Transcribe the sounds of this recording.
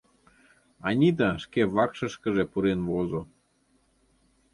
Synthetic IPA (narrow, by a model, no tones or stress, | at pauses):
ɑnʲid̪ɑʃkeβɑkʃɤ̆ʃkə̆ʒepuɾenʋozo